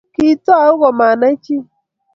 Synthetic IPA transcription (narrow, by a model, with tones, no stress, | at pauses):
ki˦tɔ˦˨ʊ˦ɣɔ˨ma˨na˦t͡ʃi˦